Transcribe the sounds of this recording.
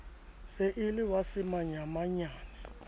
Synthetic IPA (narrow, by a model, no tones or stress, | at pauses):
seʔɪlɪwasɪmaɲamaɲaːnɛ